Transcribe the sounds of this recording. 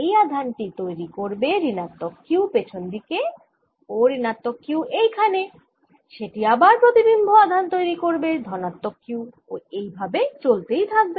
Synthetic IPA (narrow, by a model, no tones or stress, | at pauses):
ejad̪ʱanʈit̪ojɾikoɾbeɾinat̪ːokːiupet͡ɕʰond̪ike | oɾinat̪ːokːiuʔejkʰane | ʃeʈiabaɾpɾot̪ibimbʱoad̪ʱant̪ojɾikoɾbed̪ʱɔnat̪ːokʰːiw | oejbʱabet͡ɕolt̪ejt̪ʰak̚be